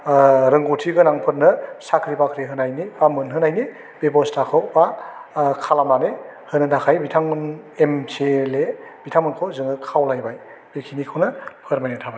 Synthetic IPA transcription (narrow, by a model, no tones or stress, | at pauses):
ɾɯŋɡutʰiɡɯnaŋpʰɯɾnɯsakʰɾibakʰɾiɦɯnajnibamɯnɦɯnajni | b̥ebɔstʰakʰɯwba | kʰalamanehɯnɯnakʰajbitʰaŋnemselebitʰamɯnkʰowzɯŋɯkʰawlajbaj | b̥ekʰinikʰɯwnɯpʰɯɾmajnɯtʰaba